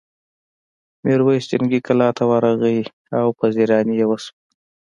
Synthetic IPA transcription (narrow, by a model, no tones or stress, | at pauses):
meɾwəjst͡ʃɪŋɡikʰalɑt̪ʰawɑɾaɣəi | awpaziɾɑːnijewəsp